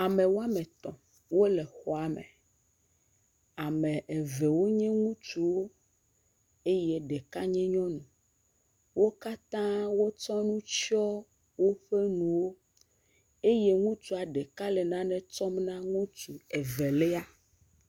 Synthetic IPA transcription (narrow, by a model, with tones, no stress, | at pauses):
a˨mɛ̃˨wo˦a˦mɛ̃˨t̪ɔ̃˨ | wo˦lɛ˨xɔ˨a˨mɛ̰˨ | a˨mɛ̃˨ʔe˨vɛ˨wo˦ɲɛ̃˦ŋũ˦t͡ʃu˨wo˦ | e˦jɛ˦ɖɛ˨ka˦ɲɛ̃˦ɲɔ̃˦nũ˨ | wo˦ka˦t̪ã˦wo˦t͡ʃɔ˦nũ˦t͡ʃɔ˦ | wo˦ɸe˦nũ˨wo˦ | e˦je˦ŋũ˦t͡ʃu˨a˨ɖɛ˨ka˦lɛ˨nã˦nɛ̃˦t͡ʃɔ˦mnã˦ŋũ˦t͡ʃu˨ɛ˨vɛ˨lɛ˦a˦